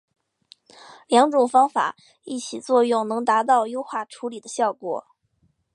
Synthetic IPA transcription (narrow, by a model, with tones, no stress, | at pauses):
ljɑ˧˥ŋʈ͡ʂʊ˨˩ŋfɑ˥ŋfa̰˨˩˦ | i˥˩t͡ɕʰi˨˩t͡swɔ˥˧jʊ˥˩ŋnɤ˧˥ŋt̪a˧˥t̪̬ɑ˥˩ʊjo˥ʊxwa˥˩ʈ͡ʂʰu˧˥li˨˩d̪ə˦ɕjɑ˥˩ʊkwɔ̰˨˩˦